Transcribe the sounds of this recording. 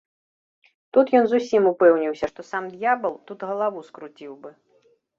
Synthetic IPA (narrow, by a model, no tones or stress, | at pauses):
t̪ut̪jɔnzusʲimupɛwnʲiwsʲɐʂt̪ɔsamd̪jabɐlˠt̪ut̪ɣɐlˠavuskɾut͡sʲiwbɨ